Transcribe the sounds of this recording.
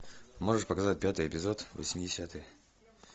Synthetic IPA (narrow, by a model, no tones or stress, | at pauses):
mo̞ʐɨʂpəkɐzat̚ʲpʲat̪ɨjɪpʲɪzo̞t̪və̰sʲmʲɪdʲɪsʲat̪ɨj